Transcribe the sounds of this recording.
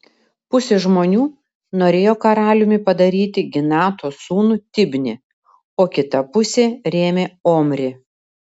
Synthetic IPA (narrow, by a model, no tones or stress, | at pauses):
pʊsʲeʒmoːnʲuː | noːɾʲeːjoːkɐɾɑːlʲʊmʲɪpɐd̪ɐɾʲiːt̪ʲɪɡʲɪnɑːt̪oːsuːnuːt̪ʲɪbʲnʲɪ | oːkʲɪt̪ɐpʊsʲeːɾʲeːmʲeːoːmʲɾʲɪ